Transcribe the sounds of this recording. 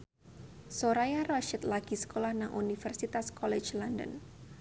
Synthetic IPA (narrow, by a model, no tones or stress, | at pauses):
soɾajarɔʃət̪laɡ̥i̤sə̥kolahnaŋʔunifɛrsit̪askɔle̥d͡ʒlɔndə̰n